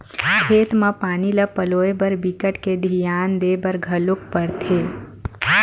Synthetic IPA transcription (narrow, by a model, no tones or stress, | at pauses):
kʰeːt̪mãpaːniləpəloːebəɾbikəʈked̪ʱijaːnd̪eːbəɾɡʱɐlʊk̚pəɾt̪ʰeː